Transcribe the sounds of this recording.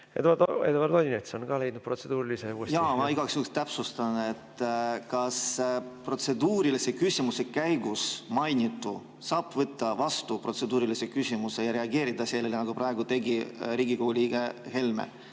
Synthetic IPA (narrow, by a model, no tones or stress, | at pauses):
et̪et̪vɑɾd̪olʲinet̪seonɡɑːle̞jd̪nud̪̥̚prot̪sed̪̥uːɾiliseusjɑːmɑiɡɑksukst̪æpsust̪ɑnet̪ːkɑspro̞t̪se̞d̪uːɾilise̞kysʲimuse̞kæjɡusmɑjnʲit̪ːu | sɑːb̥vɤt̪ːɑvɑst̪upro̞t̪se̞d̪uːɾilise̞kysʲimuse̞jɑɾe̞ɑɡe̞ːɾid̪̥ɑse̞lːelenɑɡ̥uprɑeɡut̪e̞ɡiɾiːɡikoɡuliːɡehe̞lmḛ